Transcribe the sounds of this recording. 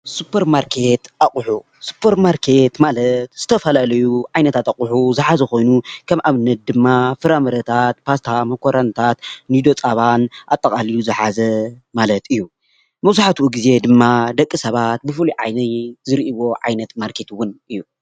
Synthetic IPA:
supʰɐɾmaɾkʰe̞t̪ʔaχʼħu | su̥pʰːɐɾmaɾkʰe̞t̪malɐt̪z̥ɨt̪ʰɐfɐlalɐjuʕajnɐt̪ʰat̪aχʼʊħuzɨħazɐko̞jnukʰɐmʔaβɨnːɐt̪̚d̪ɨmːafɨɾamɐɾɐt̪ʰat̪pʰast̪ʰamɐkʰoɾant̪ʰat̪nid̪o̞t͡sʼaβanʔat̪ʼːɐkʼalijuzɨħazɐmalɐt̪ɨjːu | mɐzuħat̪uwuɡize̞d̪ɨmːad̪ɐkʼːɨsɐβat̪̚bɨfɨluʕajnɐzɨɾiʔiwo̞ʕa̰jnɐt̪maɾkʰe̞t̪wʊnʔɨjːu

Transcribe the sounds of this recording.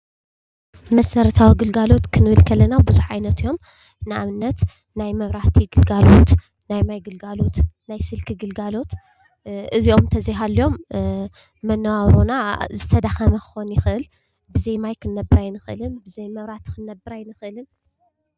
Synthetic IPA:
mɐsɐɾɐt̪ʰawiɡɨlɡalo̞t̪kʰɨnɨβɨlkʰɐlɐnabɨzuħʕa̰jnɐt̪io̞m | nɨʔaβɨnːɐt̪ | najmɐβɾaht̪ʰiɡɨlɡalo̞t̪ | najmajɡɨlɡalo̞t̪najsɨlkʰɨɡɨlɡalo̞t̪ | ʔɨziʔo̞mt̪ʰɐziɦalːio̞mː | ɐnːɐwaβɾonazɨt̪ʰɐd̪axɐmɐkɨxonjɪxɨʔɨl | bɨzejmajkʰɨnːɐbɨɾajnɨxʔɨ̰lɨnbɨzɐjmɐβɾat̪kʰɨnːɐbɨɾajnɨxʔɨlɨn

